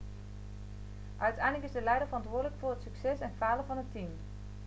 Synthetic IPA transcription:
ʔœɥtɛjndləkɪzdəlɛjdəɹvərɑntʋʊːdələkfʊːɹɦətsyksɛsɛnfaːləvɑnɦətim

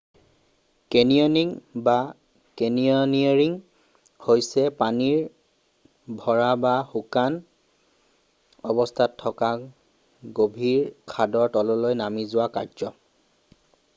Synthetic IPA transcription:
keniɔniŋba | keniɔniaɹiŋ | hojsɛpaniɹ | bʱɔɹabaxukan | ɔbɔstʰatʰːɔka | ɡobʱiɹkʰadɔɹtɔlɔlojnamizʊwakazɔ

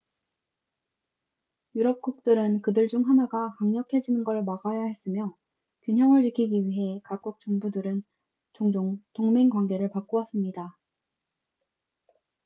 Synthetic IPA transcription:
juɾʌp̚k͈uk̚t͈ɯɾɯnkɯdɯɭd͡ʑuŋɦanaɡakaŋɲʌkʰe̞d͡ʑinɯnɡʌɭmaɡajahe̞s͈ɯmjʌ | kjuɲɦjʌŋɯɭt͡ɕikʰiɡiɥiɦe̞kap̚k͈uk̚t͡ɕ͈uŋbudɯɾɯn | t͡ɕoŋd͡ʑoŋtoŋmeŋkwanɡe̞ɾɯɭpak͈̚oas͈ɯmɲida

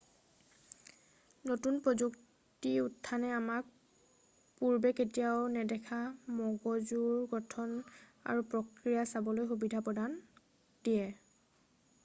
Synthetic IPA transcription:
notunpɹɔzuk | tiutʰːanɛamak̚ | puɹbɛketijaʊnɛdɛkʰamɔɡɔzuɹɡɔtʰɔna̰ɹupɹɔkɹijasabɔlojxubidʱapɹɔdan | d̥ijɛ

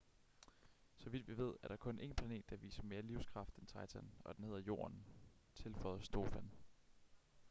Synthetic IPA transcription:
sɒ̽ʋid̥ʋiʋe̝ð̞̰ˠæɐɾ̥ɑ̈kʰɔ̽nʔe̝̰ːnpʰlæne̝̰ːd̥ːɑʋḭːsəme̝ːɐliʊ̰skʰʁɑ̈fd̥ent͡sʰɑ̈ɪt͡sʰænɒ̽d̥enhe̝ð̰ˠɐjo̝̰ːɐnt͡sʰe̝lfɒɪð̩ˠsd̥o̝ːfæn

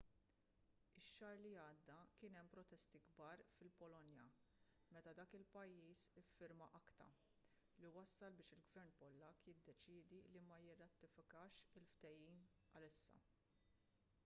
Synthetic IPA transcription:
ɪʃːɐːɾliɐːd̪ːɐkɪːnɛmːpɾɔt̪ɛst̪iɡbɐːɾfɪlpɔlɔnjɐ | mɛt̪ɐd̪ɐːkɪlpɐjːiːsɪfːɪɾmɐʔɐkt̪ɐ̰ | liwɐsːɐlbɪːʃɪlɡvɛɾnpɔlːɐkːjɪd̪ːɛt͡ʃɪːd̪ilimɐjɪrːɐt̪ːɪfɪkɐːʃɪlft̪ɛjiːn | ɐlɪsːɐ̰

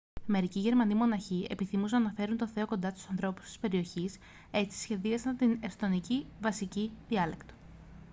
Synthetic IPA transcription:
me̞ɾiciʝe̞ɾmɐnimo̞nɐçie̞̰piθimus̬enɐnɐfe̞ɾunt̪o̞θe̞o̞ko̞nd̪ɐst̪u̥sɐnθɾo̞pu̥st̪i̥spe̞ɾio̞çis | e̞t͡si̥sçe̞ðiɐsnɐt̪inest̪o̞nicivɐsiciðiɐle̞kt̪o̥

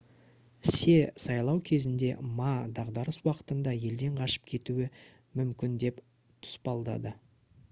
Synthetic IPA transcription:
se̞sɑjlˠɑwkʲʰe̞zɪnd̪e̞mɑd̪ɑʁd̪ɑɾəswɑqə̥t̪ənd̪ɑje̞ld̪e̞ɴqʰɑʃə̥p̚kʲʰe̞t̪uwɪ | mʏmkʲɪnd̪e̞p | t̪ʰʊ̥spɑlˠd̪ɑ̰d̪ə

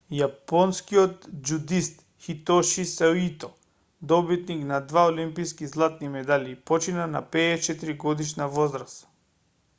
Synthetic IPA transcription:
japɔnskiɔt̪d͡ʒud̪ist̪ | xit̪ɔʃisait̪ɔ | d̪ɔbit̪niknad̪vaolimpiskizlˠat̪nimɛd̪alʲipɔt͡ʃinana̰pɛːt͡ʃɛt̪iɾiɡɔd̪iʃnavɔzɾas

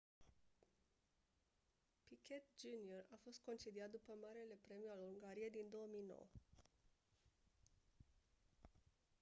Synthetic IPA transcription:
pikʲet̪d͡ʒuniorafo̞st̪̚ko̞nt͡ʃed̪iat̪̚d̪upəmaɾele̞pɾe̞mijaluŋɡaɾijejd̪ind̪o̞omijno̰wə

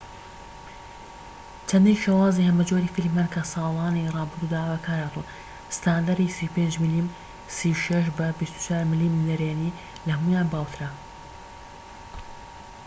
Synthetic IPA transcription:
t͡ʃʰɐnd̪ijʃewɑːzihɐmɐd͡ʒoɾifilmːankʰɐsɑːlˠɑːnirˤɑːbɨɾd̪uːd̪aːwɐkʰaːɾat̪u | sɨ̥t̪aːnd̪aɾisipend͡ʒmilim | siwʃɐʃ̬bɐbist̪u̥t͡ʃaːɾmɪlimnɐɾeːni | lɐhɐmujaːnbaːwt̪ʰɨɾa

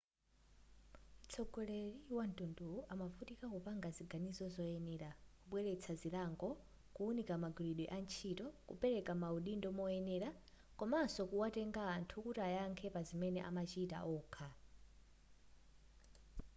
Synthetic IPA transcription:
t͡sʰɔɡɔlɛɾiwantʼunduuʔamafutikakupaŋɡaziɡanizɔzɔɛnɛɾakuɓwɛɾɛt͡sʰaziɾaŋɡɔ | kuunikamaɡuɾiɗwɛʔant͡ʃʰitɔkṵpɛɾɛkamauɗindɔmɔɛnɛɾa | kɔmasɔkuwatɛŋɡaːntʰukutajaŋkʰɛpazimɛnɛ̰ʔa̰mat͡ʃita̰ʔɔːkʰa

